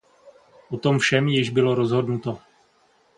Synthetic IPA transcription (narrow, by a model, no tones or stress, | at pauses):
ʔot̪o̞mfʃɛmjɪʒbɪlo̞ɾozɦo̞dnut̪o